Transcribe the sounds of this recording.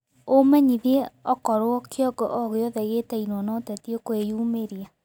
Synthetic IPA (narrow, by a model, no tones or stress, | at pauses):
omɛɲiðeɔkɔɾoɔkjɔɡɔ̰ʔɔɣeɔðɛɣetɛinwɔnɔtɛtiekwejumeɾia